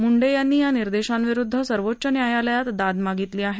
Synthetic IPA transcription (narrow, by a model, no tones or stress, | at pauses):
muɳɖejanːiːjaniɾd̪eɕanʋiɾud̪ʱːəsəɾʋotːɕənjajaləjat̪d̪ad̪maɡit̪liːaɦe